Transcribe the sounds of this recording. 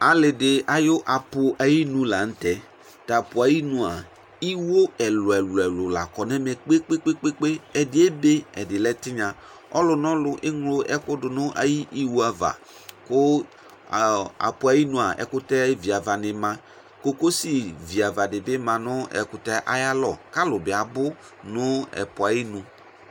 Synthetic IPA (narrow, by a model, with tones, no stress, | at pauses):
a˨lɪ˨dɪ˨a˨jʊ˦ʔa˨pʊ˨a˨ji˦nũ˦la˨n̩˦tɛ˦ | ta˨pʊ˨a˨ji˦nũ˨a˨ | i˦wo˦ɛ˨lʊ˨ɛ˨lʊ˨ɛ˨lʊ˨la̰˨kɔ˨nɛ˦mɛ˨k͡pe˦k͡pe˦k͡pe˦k͡pe˦k͡pe˦ɛ˨dɪ˦e˦be˦ɛ˨dɪ˨lɛ˦tɪ˦ɲã˨ | ɔ˦lʊ˨nɔ̃˦lʊ˨ʔɪ˦ŋlʊ˦ʔɛ˦kʊ˦dʊ˨nʊ̃˦ʔa̰˨ji˦ʔi˦wu˦a˨va̰˨ | kʊ˦˨ | a̰˨pʊ˨a˨ji˦nũ˨a˨ʔɛ̰˨kʊ˦tɛ˦vi˨a˨va˨nɪ˨mã˨ | ko˦ko˦si˨vi˨a˨va˨dɪ˨bɪ˦mã˨nʊ˦ɛ̰˨kʊ˨tɛ˦ʔa̰˦ja˦lɔ˦˨ka˦lʊ˨bɪ˨a˨bʊ˦ | nʊ˦ɛ̰˨pʊ˨a˨ji˦nũ˨